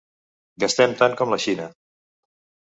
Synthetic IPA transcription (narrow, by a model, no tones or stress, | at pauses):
ɡəst̪ɛmt̪aŋkɔmləʃinə